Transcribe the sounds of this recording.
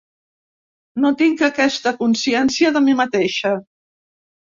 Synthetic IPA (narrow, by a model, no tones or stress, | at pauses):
not̪iŋkəkɛst̪əkunsiɛnsiəðəmimət̪eʃə